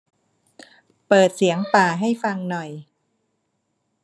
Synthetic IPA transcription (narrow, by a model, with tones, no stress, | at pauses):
pɤː˨˩t̪̚si˩˦əŋpaː˨˩ɦa˥˩jfa˧ŋnɔ˨˩j